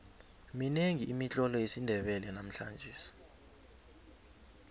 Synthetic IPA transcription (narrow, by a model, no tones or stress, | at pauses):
mineŋʱiʔːmit͡ɬʼɔlɔjesindʱɛɓɛlɛnam̩ɬa̰nd͡ʒʱiːsi̥